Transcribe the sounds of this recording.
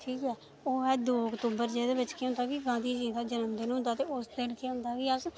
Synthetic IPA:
ʈʰiːkɛː | oːɛːd̪oːʊkt̪uːbəɾd͡ʒeːd̪eːbɪt͡ʃkʰeːɦʊnd̪aːkiːɡãːnd̪iːd͡ʒiːd̪aːd͡ʒənəmd̪eːnũːʊ̃nd̪aːt̪eːʊsd̪enkʰeːɦʊ̃nd̪aːkiːəs

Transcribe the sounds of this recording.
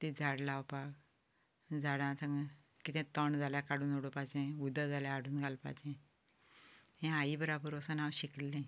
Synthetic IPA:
t̪id͡zʱaɽlawpak | d͡zaɽãsãŋɡ | kit̪ɛ̃t̪əɳd͡zaljakaɽuːnoɽopad͡ʑẽud̪əd͡zaljaaɽuːnɡʱalpa̰d͡ʑẽ | ɦɛ̃ajibəɾabəɾɔsənawɕiklːẽ

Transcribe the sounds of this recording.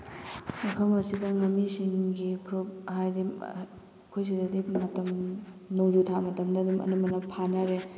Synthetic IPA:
mɐpʰɐmɐsidɐŋɐmːisiŋɡipʰɾop̚ɦajdim | kʰojs̬idɐdimɐtɐm | noŋd͡ʒutʰamɐtɐmdɐdimɐ̰nɐmɐnɐpʰanaɾe

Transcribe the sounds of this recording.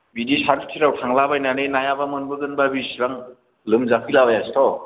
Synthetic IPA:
bidisaɾtʰi̥tʰiɾawtʰaŋlabajnanɯnajabamɯnbɯɡɯnbabisɾaŋ | lɯmzapʰilabajastʰɔ

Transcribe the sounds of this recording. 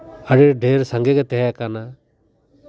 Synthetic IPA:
əɽiɾɖeɾsaŋɡɛɡɛt̪ɛɦɛkana

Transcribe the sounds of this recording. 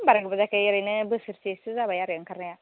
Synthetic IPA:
mbaɾaɡbazakaɛɾanabəsiɾtisizabajaɾaŋkaɾnaja

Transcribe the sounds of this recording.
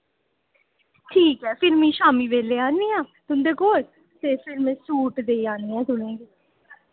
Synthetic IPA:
ʈʰiːkɦɛːfɪɾmĩːʃaːmiːʋeːleːãːnːiːãːt̪ʊnd̪eːkoːl | t̪eːfɪlmẽːsuːʈd̪eːaːniːɛ̃ːt̪ʊnẽːɡiː

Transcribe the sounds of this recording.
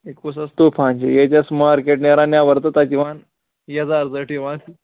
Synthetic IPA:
ekusɐst̪upʰãnd͡ʑḛjet͡ɕasmaɾkeʈneɾãnjaʋəɾt̪ət̪akiʋan | jeəd͡zaɾd͡zəʈiʋãl

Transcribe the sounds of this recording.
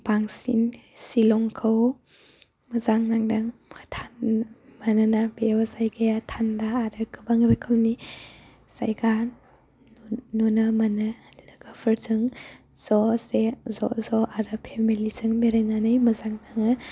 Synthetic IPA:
b̥aŋsḭnsilɔŋkʰɯw | mɐzaŋnaŋdaŋtʰanmananabewzajɡajatʰandaːɾɯkɯbaŋɾɯkʰɯwni | sa̰jɡan | nɔnɐmanɯ | lɯɡapʰɯɾzɯŋ | z̥ɔsezɔzɔʔaɾɯpʰemilizɯŋbeɾajnanɯjmɐzaŋnaŋɯ

